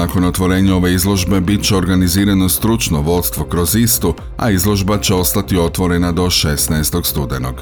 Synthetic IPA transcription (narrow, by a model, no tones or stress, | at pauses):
ako̞no̞t̪ʋo̞ɾe̞ːɲao̞ʋe̞izlˠo̞ʒbe̞bit̪̚t͡ɕe̞o̞ɾɡaniziːɾano̞st̪ɾut͡ʃno̞ʋo̞t̪st̪ʋo̞kɾo̞zist̪o | a̰izlˠo̞ʒbat͡ɕe̞o̞st̪at̪io̞t̪ʋo̞ɾe̞nad̪o̞ʃe̞snaest̪o̞ɡst̪ud̪eno̞ɡ̥